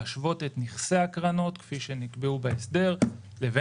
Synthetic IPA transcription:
aʃvo̞te̞tniχseakʁano̞tkfiʃe̞nikbeubaesde̞ʁ | leve

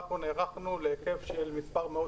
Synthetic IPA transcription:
poneʁaχnuleeke̞vʃelmispaʁmeo

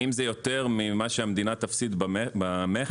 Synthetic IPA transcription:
imzejo̞t̪e̞ʁmimaʃeamd̪inat̪afsit̪bbame

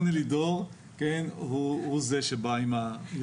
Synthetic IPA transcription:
nilidoʁ | kenhuhuzeʃebaima

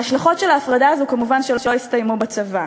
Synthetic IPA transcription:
aʃlaχo̞tʃelaːfʁadaːzukamuvanʃelʃeoistajmubat͡sava

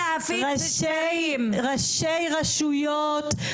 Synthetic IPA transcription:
fʁaʃe | ʁaʃejʁaʃujot̪

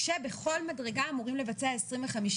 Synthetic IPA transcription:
ʃebe̞χo̞lmadʁe̞ɡaːmuʁimle̞vat͡seaesʁimveχamiʃ

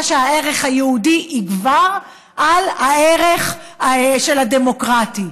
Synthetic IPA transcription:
ʃeaeʁeχhajeudiʔːɡvaʁ | ʔalhaeʁeχ | ʃelademo̞kʁati

